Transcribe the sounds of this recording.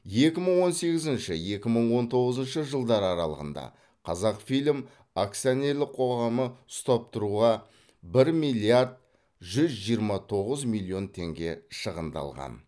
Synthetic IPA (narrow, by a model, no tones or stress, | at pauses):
je̞kʲɪməɴwo̞nse̞ɡʲɪzɪnʃɪje̞kʲɪməɴwo̞nt̪ʰo̞ʁəzənʃəʒəlˠd̪ɑɾɑɾɑ̰lˠə̰ʁə̰nd̪ɑ̰ | qʰɑzɑqfijlʲɪm | ak̚t̪sione̞ɾlɪqʰo̞ʁɑməʊst̪ɑp̚t̪ʊɾuʁɑ | bɪɾmijlʲˠijaɾd̪̚ | ʒʏzʒijəɾmɑt̪ʰo̞ʁəzmilʲˠijo̞nt̪ʰe̞ŋɡʲe̞ʃəʁənd̪ɑ̰lˠʁɑ̰n